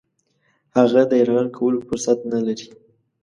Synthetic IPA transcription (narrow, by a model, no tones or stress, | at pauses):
haɣad̪əjaɾɣankʰawəlofʊɾsat̪̚nalaɾi